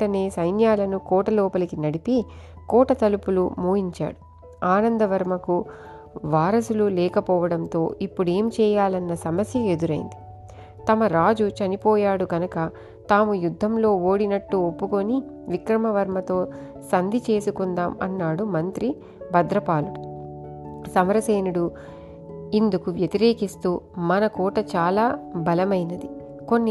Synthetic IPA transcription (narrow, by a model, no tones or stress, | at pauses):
ɐne̞ːsɐjnjaːlɐnukɔːʈɐlɔːpɐlɐkinɐɽipi | kɔːʈɐt̪ɐlupulumuːɦiɲt͡ʃa̰ːɽu | aːnɐnd̪ɐʋɐɾmɐku | ʋaːɾɐsululɛːkɐpɔːʋɐɽɐnt̪o̞ːʔipːuɽe̞ːmt͡ʃɛːjaːlɐnːɐsɐmɐsjɐe̞d̪uɾɐjḭnd̪i | t̪ɐmɐɾaːd͡ʒut͡ʃɐnipɔːjaːɽuɡɐnɐkɐ | t̪aːmujud̪ʱːɐmlo̞ːoːɽinɐʈːuopːuko̞niʋikɾɐmɐʋɐɾmɐt̪o̞ː | sɐnd̪ʱit͡ʃe̞ːsukund̪aːmɐ̰nːaːɽumɐnt̪ɾi | bʱɐd̪ɾɐpaːlu | sɐmɐɾɐseːnuɽu | ind̪ukuʋjɐt̪iɾeːkist̪uːmɐnɐkɔːʈɐt͡ʃaːlaːbɐlɐmɐjnɐd̪i | ko̞nːi